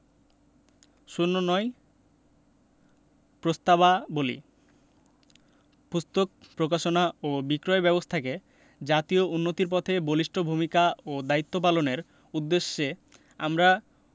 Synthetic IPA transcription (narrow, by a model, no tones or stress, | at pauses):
ʃunːonɔj | pɾost̪aβabolḭ | pust̪ok̚ | pɾokaʃonaobikɾɔebɛbost̪ʰake | d͡ʑat̪iounːot̪iɾpɔt̪ʰeboliʃʈʰobʱumikaod̪ait̪ːopaloneɾ | ud̪ːeʃːe | amɾa